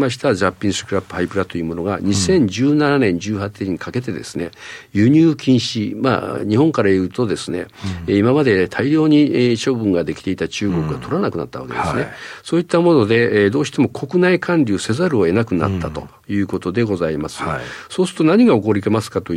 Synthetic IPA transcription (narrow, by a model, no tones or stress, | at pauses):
maɕi̥t̪ad͡ʑapʲːĩɰsɨ̥kɯ̟ɾapːɯ̟̥haipɯ̟ɾat̪o̞jɯːmo̞no̞ɡaɲ̟isẽ̞ɲ̟d͡ʑɨːnananẽ̞ɲ̟d͡ʑɨːhat̪ːeɲ̟ikʰake̞t̪e̞d̪e̞̰sɨne̞jɯ̟ɲ̟ʲɨːkʲĩɰ̃ɕima̰ɲ̟ihõ̞ŋkaɾajɯːt̪o̞d̪e̞sɨne̞̰imamad̪e̞t̪ʰaiɾʲo̞ːɲ̟iɕo̞ːbɯ̟̃ŋɡad̪e̞kʲi̥t̪e̞it̪at͡ɕɨːɡo̞kɯ̟ɡat̪ʰo̞ɾanakɯna̰t̪ːaβa̰ked̪esnesoːit̪ːamo̞no̞d̪e̞d̪o̞ːɕi̥t̪e̞mo̞kʰo̞kɯ̟naikʰãnɾʲɨːse̞zaɾɯ̟o̞e̞nakɯ̟na̰t̪ːat̪o̞̰ | jɯ̟ːko̞t̪o̞d̪e̞ɡo̞zaimasɨ̥soːsɨ̥t̪o̞naɲ̟iɡao̞ko̞ɾʲike̞masɨ̥kat̪o̞